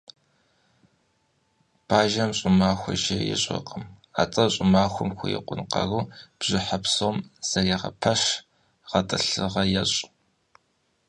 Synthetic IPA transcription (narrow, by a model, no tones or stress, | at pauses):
b̥ʰaːʒɐmɕʼʊmaːxʷɔ̰ʒɐjɛ̰ɕʼɐ̰qʼəm | a̰ːt͡sʼɐɕʼʊmaːxʷʊmxʷʊ̰jɛ̰qʷʼʊnqɐ̰ruːb̥ʑ̥ɪħapsomz̥ɐriʁɐ̰pʰɐɕ | ʁɐtʼɨɬɨʁɐjɛɕʼ